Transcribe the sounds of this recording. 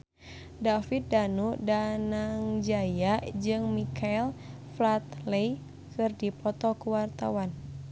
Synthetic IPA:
dafit̪̚danudanaŋd͡ʒajad͡ʒɨŋmikaɛl | flat̪lej | kɨrdipɔt̪ɔkuwart̪a̰wan

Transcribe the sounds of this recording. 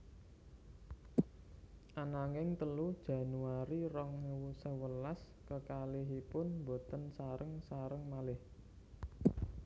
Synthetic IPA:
ʔanaŋɪŋt̪əlud̥ʒ̥ä̤nuaɾirɔŋnəwusəwəlas | kəkalɪɦipʊnmbo̤t̪ənsaɾəŋsaɾəŋmalɪh

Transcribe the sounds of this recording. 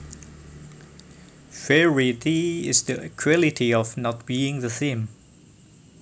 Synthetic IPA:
fɛɹidiɪ̰zðəkʰɹɛlɪtʰiɔvnɔt̚b̥iːɪ̃ŋðəθĩm

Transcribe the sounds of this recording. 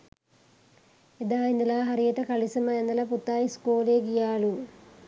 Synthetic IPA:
ed̪aːinːɐlɐɦɐrijɐʈːɐkɐɭisɐmɐjenːɐlɐput̪ːaːjiskuːleːɡijaːɭu

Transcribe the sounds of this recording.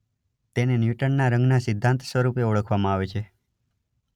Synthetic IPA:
t̪enenjuʈənnaɾə̃ŋɡnasɪd̪ʱːãnt̪sʋəɾupeoɭəkʰʋamãaʋet͡ʃʰe

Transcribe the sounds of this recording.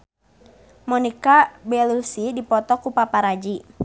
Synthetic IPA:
mɔnikabɛlusidipɔt̪ɔkupapaɾad͡ʒi

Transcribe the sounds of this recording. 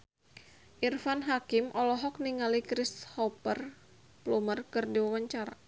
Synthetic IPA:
ʔirfanɦakimʔɔlɔɦɔk̚niŋalikɾishɔpər | plumərkɨrdiwawaɲt͡ʃaɾa

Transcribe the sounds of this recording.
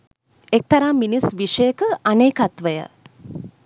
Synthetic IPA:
ek̚t̪ɐɾaːmminisʋiʂəjəkəʔaneːkat̪ʋəjə̰

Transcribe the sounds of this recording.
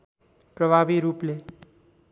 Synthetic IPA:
pɾəbʱabiɾuple

